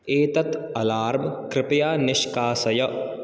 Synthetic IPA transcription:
eːt̪ɐt̪ | ɐlaːɾmkɾɪpɐjaːnɪʃkaːsɐjɐ

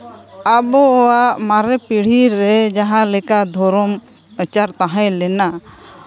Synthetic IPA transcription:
abɔɔwaʔmaɾɛpiɽ̤iɾɛd͡ʒaɦãlɛkad̪ʱɔɾɔm | ət͡ʃaɾt̪aɦãjlɛna

